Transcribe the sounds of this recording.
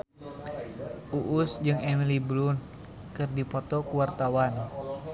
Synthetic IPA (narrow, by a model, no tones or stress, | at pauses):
ʔuʔusd͡ʒɨŋɛmilibɾun | kɨrdipɔt̪ɔkuwart̪awan